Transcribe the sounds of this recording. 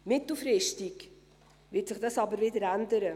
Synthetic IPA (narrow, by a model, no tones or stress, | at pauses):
mɪtl̩fɾɪʃtɪk | vɪtsɪχd̥ɑsɑbəɾvɪdəɾændəɾə